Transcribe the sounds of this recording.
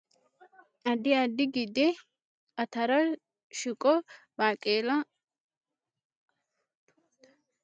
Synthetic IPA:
ʔɐd̪ɪɐd̪ɪɡɪd̪ɛ | ɐt̪ɐɾɐ | ʃɪkʼɔ | baːkʼeːlɐ

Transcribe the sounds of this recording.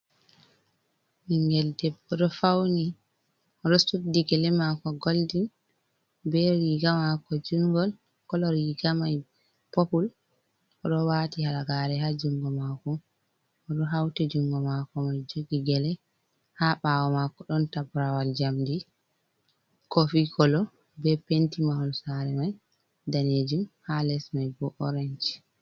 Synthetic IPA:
ʔiŋɡɛldɛbɔɗɔfawni | ɔɾɔsudiɡɛlɛmakɔɡoldin | bɛɾiɡamakɔd͡ʒuŋɡɔl | kɔlɔɾiɡamaj | popul | ɔɗɔwaːtihaɾaɡaɾɛhad͡ʒuŋɡɔmakɔː | ɗɔɦawtɛd͡ʒuŋɡɔmakɔmajd͡ʒoɡiɡɛlɛ | haɓaːwɔmakɔɗɔntabɾawald͡ʒamdi | kofikʰɔlɔ | bɛpentimahɔnsaɾɛmaj | daned͡ʒumhalɛsmajbɔʔɔɾeɲd͡ʒi̥

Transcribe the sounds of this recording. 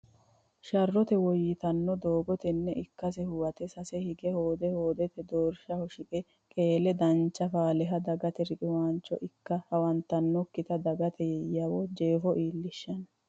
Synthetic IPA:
ʃɐrːɔt̪ɛwɔjːɪt̪ɐnːɔd̪oːɡɔt̪ɛnːɛʔɪkːɐs̬ɛhʊwɐt̪ɛsɐsɛhɪɡɛhoːd̪ɛho̞ːd̪ɛt̪ɛd̪oːɾʃɐhɔʃɪkʼɛ | kʼe̞ːlɛd̪ɐnt͡ʃːɐfaːlɛɦɐd̪ɐɡɐt̪ɛɾɪʔʼɪwaːnt͡ʃːɔ̰ʔɪkːɐhɐwɐnt̪ːɐnːɔkːɪt̪ɐd̪ɐɡɐt̪ʰɛjɛjɐwɔd͡ʒeːfɔʔiːlːɪʃːɐn

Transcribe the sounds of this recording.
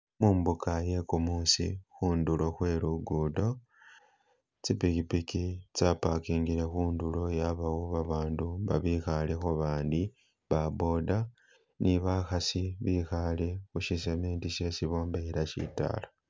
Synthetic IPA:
muːmbukaje̞kumuːsḭxuːndulo̞xwe̞ːɾuɡudo̞ | t͡sipikipikit͡sapakiːŋɡiɾe̞xuːndulo̞jaβawoβaβaːnduβa̰βixalexoβaːndi | βabo̞da | niβaxasiβixalexuʃisemeːntiʃe̞siβo̞ːmbeiɾaʃḭta̰la

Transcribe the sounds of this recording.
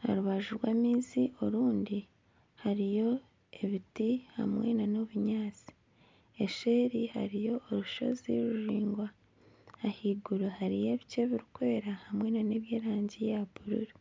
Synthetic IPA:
ha̰ɾuβaʒuɾwaːmiːziʔoɾuːndi | haɾijo̞ | eβitiha̰mwḛnano̞βuɲaːt͡si̥ | e̞ʃe̞ːɾiha̰ɾijo̞ːɾuʃo̞̰zḭɾuʒiːŋɡwaː | hiɡuɾohaɾije̞βice̞βiɾukwe̞ːɾahamwe̞nane̞βjeːɾaːɲɟejaβuɾṵɾi

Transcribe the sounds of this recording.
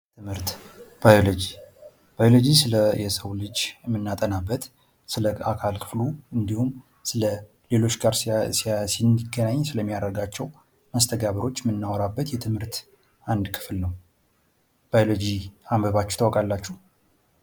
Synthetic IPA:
t̪ʰɨmhɨɾt̪b̥ajolod͡ʒi | b̥ajolod͡ʒisɨləjɛsəwlɨd͡ʒmːɨnːat̪ʼənabːət̪ | sɨləa̰kʰalkʰɨ̥fluɨnd̪ihum | sɨlə | le̞lo̞t͡ʃːɡaɾssinɨɡənaɲːsɨləmːijaɾəɾɡat͡ʃːɛw | məst̪ʰəɡaβəɾo̞t͡ʃːmːɨnːawɔɾabːət̪jɛt̪ʰɨmhɨɾt̪ | ʔand̪kʰɨ̥flnəw | b̥ajolod͡ʒiambəβat͡ʃːɛ̥ht̪ʰəwɔkʼalːat͡ʃːuh

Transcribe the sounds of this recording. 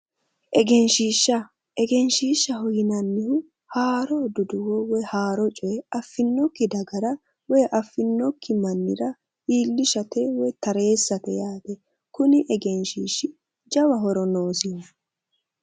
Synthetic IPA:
ʔɛɡɛnʃiːʃːɐ | ʔɛɡɛnʃiːʃːɐhɔjɪnɐnːɪhʊ | haːɾɔd̪ʊd̪ʊwɔwɔjhaːɾɔt͡ʃʼɔjɛɐfːɪnːɔkːɪd̪ɐɡɐɾɐ | wɔjʔɐfːɪnːɔkːɪmɐnːɪ̰ɾɐ | iːlːɪʃɐt̪ɛwɔjt̪ɐɾe̞ːsːɐt̪ɛjaːt̪ɛ | kʊnɪʔɛɡɛnʃiːʃːɪ | d͡ʒɐwɐɦɔɾɔnoːsiːnːɐ

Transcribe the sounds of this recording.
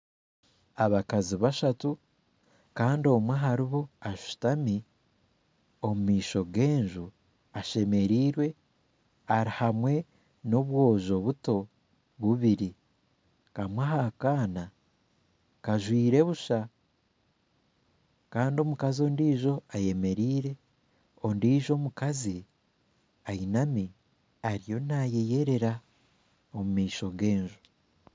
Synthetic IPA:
aβakaziβaʃatu | kaːndo̞mweɦaɾiβo̞aʃu̥tami | o̞mumiːʃo̞ɡe̞ːɲʒu | aʃe̞me̞ɾiːɾwe̞ | aɾihamwe̞ | no̞βwo̞ːʒo̞βuto̞ | βuβiɾi | kamwaɦakaːna | kaʒwiːɾe̞βuʃa | kaːndio̞mukazio̞ndiːʒo̞aje̞me̞ɾiːɾe̞ | o̞ndiːʒo̞ːmukazi | ainami | aɾijo̞naje̞je̞ɾe̞ɾa | omumiːʃo̞ɡe̞ːɲʒo

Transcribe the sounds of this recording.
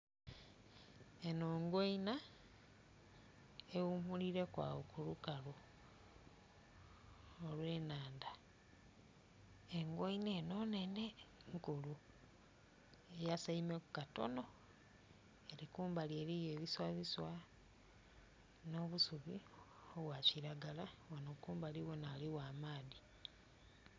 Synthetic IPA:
enoːŋɡwoina | eumuliɾe̞kwa̰wokulukalu | olwe̞naːnda | eŋɡwoineno̞ne̞ne̞ŋkulu | e̞jasaimekukato̞̰no̞ | eɾikuːmbalie̞ɾije̞ːβiswaβiswa | noβusuβi | oβwaciɾaɡalawanokuːmbaliwonaliwaːmaːði

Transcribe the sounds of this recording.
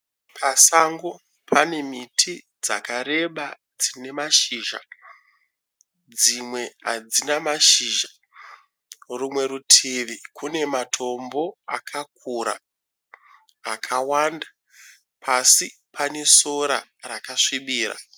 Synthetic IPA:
pʰasaŋɡo̞ | pʰane̞mitʰi | d͡zakaɾe̞ɓa | d͡zine̞maʃiːʒa̰ | d͡zimwe̞ad͡zinamaʃiʒa | rumwe̞ɾutʰiʋikʰune̞matʰo̞mbo̞akʰak̚ʰuɾa̰ | kʰawanda | pʰasi | pʰane̞so̞ɾa̰rakaʂiɓiːra̰

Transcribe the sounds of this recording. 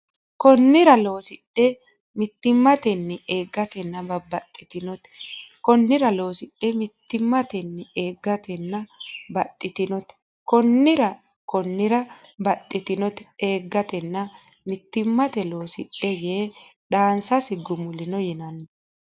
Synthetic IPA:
kɔnːɪɾɐlo̞ːsɪɗːɛ | mɪt̪ːɪmːɐt̪ɛnːɛʔeːɡːɐt̪ɛnːɐbɐbɐt̪ʼːɪt̪ɪnɔt̪ɛ̥kɔnːɪɾɐlo̞ːsɪɗːɛmɪt̪ːɪmːɐt̪ɛnːɛeːɡːɐt̪ɛnːɐbɐt̪ʼːɪt̪ɪnɔt̪ɛ̥ | kɔnːɪɾɐ | kɔnːɪɾɐbɐt̪ʼːɪt̪ɪnɔt̪ɛ̥eːɡːɐt̪ɛnːɐ | mɪt̪ːɪmːɐt̪ɛlo̞ːsɪɗːɛjeːɗaːnsɐsɪɡʊmʊlɪnɔjɪnɐnːɛ

